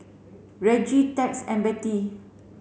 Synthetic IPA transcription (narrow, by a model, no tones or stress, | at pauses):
ɹɛd͡ʒitɛksɛ̰̃nmbɛti